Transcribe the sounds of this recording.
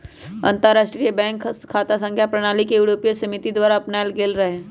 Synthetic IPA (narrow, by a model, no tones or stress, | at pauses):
ɐ̰̃nt̪əɾːaːʃʈɾijebɛ̃ːŋkkʰːaːt̪asə̃ŋkʰjapɾɐɽ̃aːlikejuːɽoːpijəsɐmɪt̪id̪waːɾaɐpnaːlɡeːlɾɐɦẽː